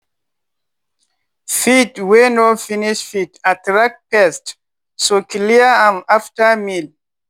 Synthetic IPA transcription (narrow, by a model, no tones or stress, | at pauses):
fitwenɔfiniʃfitatɹak̚pɛst | sokʰliəãmaftəmil